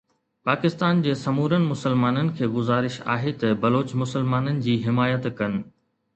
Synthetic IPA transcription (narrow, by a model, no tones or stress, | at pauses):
paːkɪst̪aːnd͡ʑeːsɐmuːɾənɪ̆mʊsəlmaːnənɪ̆kʰeːɡʊzaːɾɪʃa̰ːɦet̪ɐbɐloːt͡ɕmʊsəlmaːnənɪ̆d͡ʑiːɦɪmaːjət̪kɐnɪ̆